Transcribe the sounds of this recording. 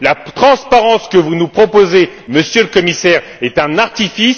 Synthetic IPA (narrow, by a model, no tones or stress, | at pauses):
lat̪χɑ̃spaʁɑ̃skəvunupχɔpozeməsjələkɔmisɛʁ | ɛt̪ɛ̃naʁt̪ifis